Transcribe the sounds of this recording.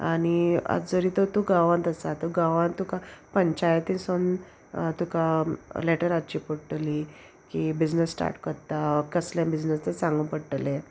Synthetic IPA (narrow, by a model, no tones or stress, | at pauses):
ania̰d͡zəɾit̪ot̪uɡaʋãnt̪əsat̪uɡaʋãnt̪ukapəɲt͡ɕajt̪ison | t̪ukaleʈəɾat͡ɕipəɽʈli | kibid͡ʑnəsːʈa̰ɾʈkəɾt̪akəslẽmbid͡ʑnəst̪esãŋɡũpəɽʈlẽ